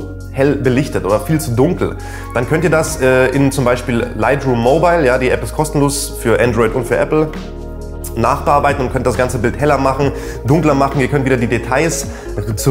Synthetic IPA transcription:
hɛlbəlɪçtətʔo̰ːdɐfiːlt͡sudʊŋkl̩ | d̥ankʰœntiːɐdasʔɛːʔɪnt͡sʊmbaɪʃpiːllaɪtʁuːmːoːbaɪljaːdiːʔɛpɪstkʰɔstn̩loːs | fyːɐʔandʁɔʏtʊntfyːɐʔɛ̰pl̩ | naːχb̥əʔaːɐbaɪtn̩ʊntkʰœnt̚d̥asɡ̥ant͡səbɪlthɛlɐmaχn̩ | dʊŋklɐmaχn̩iːɐkʰœntviːdɐdiːdetʰaɪs | t͡su

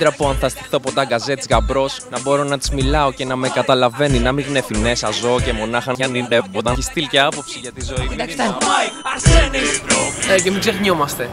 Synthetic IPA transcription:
d̪ɾɐpuɐnθɐst̪i̥θo̞pot̪ɐɡɐze̞t̪skɐbɾo̞snɐbo̞ɾo̞nɐt̪i̥zmilɐoce̞nɐmekɐt̪ɐlɐve̞ninɐmiɣnefine̞sɐzo̞cemo̞nɐxɐɐidept̪ɐçist̪ilce̞ɐpo̞psiʝɐt̪izo̞i | sn | ecemiɡzeɣɲomɐst̪e̞

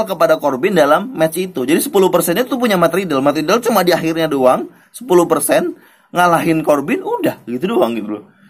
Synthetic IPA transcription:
lkəpadakɔrbɪndalamːɛt͡ʃit̪ud͡ʒadisə̥puluhpərsɛnit̪t̪up̬uɲamat̪ɾidəlmat̪ɾidəlt͡ʃumadiaɦɪrɲadoaŋ | sə̥puluhpərsɛn | ŋalaɦɪnkɔrbɪnudahɡit̪udoaŋɡɪt̪ɾu

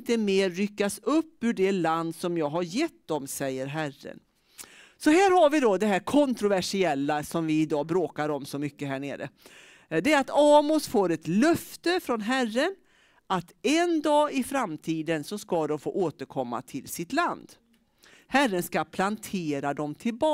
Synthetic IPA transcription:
t̪əmeːɾːʏkːasɵpːɵɖɛland̪sɔmjɑːɡɦaɾjɛt̪̚ːd̪ɔmsɛjːəɾɦærːə̰n | sɔɦæːɾhaɾvɪd̪ɔd̪ɛɦæːɾkʰɔnt̪ɾʊvæʂɪɛlːasɔmvɪɪd̪ɑːbɾoːkaɾɔmsɔmʏkːəɦæːɳḛːɾə̰ | d̪ɛɾat̪ɑːmʊsfoːɾɛt̪lœft̪əfɾɔnɦærːən | ʔat̪ɛnd̪ɑːɪfɾamt̪ʰiːd̪ənsɔskad̪ɔmfo̰ːʔoːt̪əɾkʰɔmːa̰t̪ʰɪlsɪt̪land̪ | hærənskapʰlant̪ʰeːɾad̪ɔmt̪ʰɪlbɑː

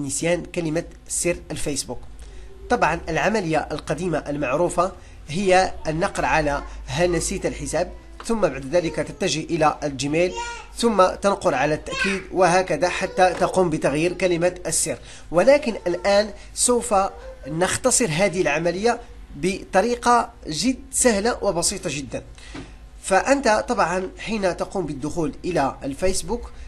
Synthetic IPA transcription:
nəsjæːnkælɪma | sːərəlfesbuk | t̪ˤɑbʕɑnʔəlʕamæləjːaʔəlqɑd̪iːmaʔəlmaʕɾufa | ɦəjːaʔənːɑqɾɑʕalæɦænæsiːt̪əlħəsæːb̚ | t̪ʊmːabaʕd̪ðæləkat̪ət̪ːæʒəhʔəlæʔld͡ʒimelt̪ʊmːat̪ɑnqʊɾʕalæt̪ːaʔkiːd̪wəɦækæd̪aħat̪ːæt̪ɑquːmbət̪ɑɣjiːɾkælɪmat̪ʔəsːiɾ | wælækənʔəlʔæːn | suwfanəxt̪ɑsˤəɾɦæd̪əhəlʕamæləjːa | bət̪ˤɑɾiqɑ | ʒəd̪sæhlawʔəbɑsiːt̪ˤɑʒəd̪ːæn | fæʔənt̪at̪ˤɑbʕɑnħinat̪ɑqumbəd̪ːʊxuːlʔəlæəlfisbuk

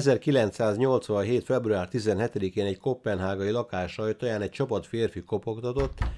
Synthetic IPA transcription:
ɛzɛrkilɛnt̪saːzɲo̞lt̪sʋɒnɦeːt̪fɛbruaːrt̪izɛnɦɛt̪ɛd̪ikeːnɛcko̞pːɛnɦaːɡɒjilɒkaːʃɒjt̪oːjaːnɛc̚t͡ʃɒpɒt̪feːrfiko̞pokt̪ɒt̪o̞t̪ː

